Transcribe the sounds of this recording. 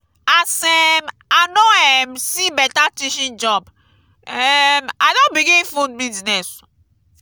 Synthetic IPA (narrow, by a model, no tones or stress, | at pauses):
asɛm | anoɛmsibɛtatiʃĩnd͡ʒɔb | ɛmaɪdõnbiɡĩfõnbidnɛs